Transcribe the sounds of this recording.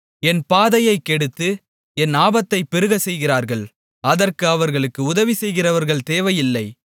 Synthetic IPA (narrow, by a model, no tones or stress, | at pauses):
ɛnpaːðɐjɐɪkːɛɽɯt̪ːɯ | ɛnaːbɐt̪ːɐɪpːɛɾɯɣɐsɛjɣɪɾaːɾɣɐɭ | ɐðɐrkɯɐʋɐɾɣɐɭɯkːɯʊðɐʋisɛjɣɪrɐʋɐɾɣɐɭt̪eːʋɐjɪlːɐɪ